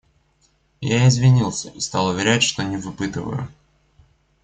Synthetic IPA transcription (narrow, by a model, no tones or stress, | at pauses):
jaɪzvʲɪnʲilˠsʲəʔist̪alˠʊvʲɪɾʲætʲʂt̪onʲɪvɨpɨt̪ɨvə̰jʊ̰